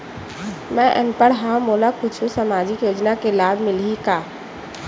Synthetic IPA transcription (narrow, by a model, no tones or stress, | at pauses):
mɛ̃ʔɛ̰ŋpəɽɦãmoːlakʊt͡ʃʰũsəmaːd͡ʒɪkjoːd͡ʒnakelaːbʱmɪlikaː